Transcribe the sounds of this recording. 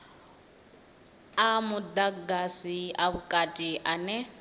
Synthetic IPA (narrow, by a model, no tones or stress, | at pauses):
amʊdaɡasiaβukʼatʼiʔanɛ